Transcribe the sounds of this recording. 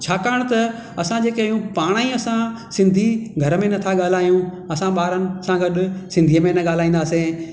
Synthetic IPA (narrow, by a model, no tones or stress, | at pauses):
t͡ɕʰaːkaːəɽ̃t̪ɐ | ɐsãd͡ʑeːkeijũpaːɽ̃aːĩɐsã | sɪ̃nd̪ʱiɡʱɐɾəmẽnɐt̪ʰaɠaːl̤aːijũ | ɐsãɓaːɾənɪ̆sãɡɐɗʊ̆sɪ̃nd̪ʱiːəmẽnɐɠaːl̤aːĩːn̆d̪aːsẽː